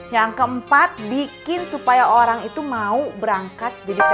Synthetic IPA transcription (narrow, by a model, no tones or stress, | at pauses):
jaŋkəəmpat̪̚bikɪnsupajaʔoɾaŋit̪umaubəɾaŋkat̪̚d͡ʒadi